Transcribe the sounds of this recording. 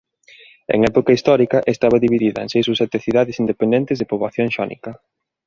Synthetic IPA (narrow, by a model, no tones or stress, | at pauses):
ḛŋɛpokɐist̪ɔɾikɐʔest̪aβ̞ɐðiβiðiðɐ̰ḛŋsejsusɛt̪eθiðaðɪsind̪epend̪ɛnt̪ɪzðepoβlaθjoŋʃɔnḭkɐ